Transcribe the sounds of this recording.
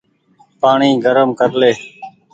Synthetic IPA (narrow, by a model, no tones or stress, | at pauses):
paːɳiːɡʱəɾəmkəɾleː